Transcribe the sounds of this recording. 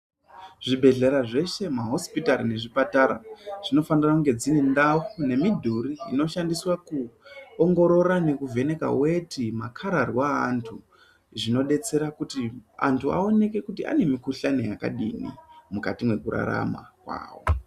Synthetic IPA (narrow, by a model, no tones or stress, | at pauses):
ʐibʱe̞ɮe̞ɾaʐe̞ʃe̞maɦo̞spitaɾine̞ʐipataɾa̰ʐ̥ino̞fanirakuŋɡe̞d͡zine̞ndawune̞midʱuɾiːno̞ʃandiswakuoŋɡo̞ɾo̞ɾane̞kuvʱe̞ne̞ka̰we̞tʰimakʰaɾarwaːntʰu | ʐino̞ɗe̞t͡se̞ɾakutia̰ntʰua̰o̞ne̞ke̞kutia̰ne̞mikuɬane̞jaka̰ɗinḭmukatimwe̞kuɾa̰ɾa̰ma̰kwa̰ːwo̞̰